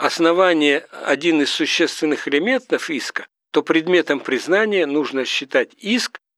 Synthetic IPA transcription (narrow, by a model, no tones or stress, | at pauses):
ɐsnɐvanʲɪjəɐ̰dʲinɨssːʊɕːe̞st̪vʲɪnːɨxɪlʲɪmʲe̞nt̪əfiskə̥ | t̪o̞pɾʲɪd̪mʲe̞t̪əmpɾʲɪznanʲɪjənuʐnəɕːɪt̪atʲisk